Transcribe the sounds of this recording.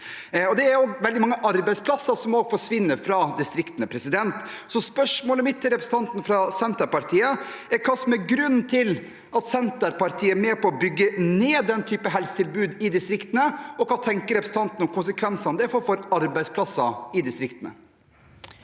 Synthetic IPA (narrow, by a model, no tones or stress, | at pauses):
ɔd̪ɛæɾoːɡʋɛld̪ɪmɑŋːəʔɑɾbæɪspʰlɑsɑsɔmoːɡfɔʂʋɪnːəɾfɾɑd̪ɪst̪ɾɪkt̪nəpʰɾɛsɪd̪ɛnt̪sɔspœʂmoːləmɪt̪ʰːɪlɾɛpɾəsn̩t̪ɑnt̪nəfɾɑsɛnt̪əɾpɑɾt̪ʰiːəɛɾkʰɑːsɔmæɾɡɾʉnːt̪ʰɪl | ɑt̪sɛnt̪əɾpɑɾt̪ʰiːəæmeːpʰɔɔbʏɡːəneːd̪ɛnt̪ʰyːpəɦɛlsə̥t̪ʰɪlbʉːd̪ɪd̪ɪst̪ɾɪkt̪ənəɔkʰɑːt̪ʰɛŋkəɾɛpɾsn̩ɑnt̪nɔmkʰʊnsəkʰʋɛnsɑɔmd̪ɛfɔɾfɔɾɑɾbæɪspʰlɑsːɑɪd̪ɪst̪ɾɪkt̪ənə̰